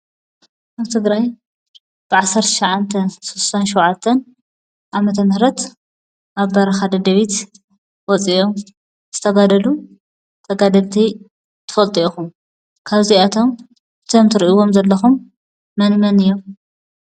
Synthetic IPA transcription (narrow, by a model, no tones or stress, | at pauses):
ʔaβt̪ʰɨɡɾaj | b̥ɨʕasːɐɾt̪ʰɐ̥ʃɐʕant̪ʰɐnsussanʃɛwʕat̪ʰːɐn | ʔamɐt̪ʰɐmɨhɾɐt̪ | ʔaβbɐɾɐxad̪ɐd̪ɐβit̪ | wɔt͡sʼiom | z̥ɨt̪ʰɐɡad̪ɐlu | t̪ʰɐɡad̪ɐlt̪ʰi | t̪ʰɨ̥fɐlt̪ʼioxum | kʰaβziat̪ʰo̞m | ɨt̪ʰomt̪ʰɨɾiʔiwo̞mzɐlːɐxumː | ɐnmɐnɨjːo̞m